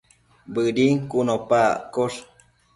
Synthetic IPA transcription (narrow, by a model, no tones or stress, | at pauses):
bɨɾiŋkunopa̰ʔkoʂ